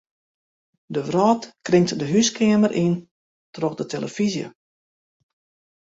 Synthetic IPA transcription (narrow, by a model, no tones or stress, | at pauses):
dəʋrɔːtkrɪŋtdəɦyskʰɪəmərʔin | trɔxdətʰeləfizjə̰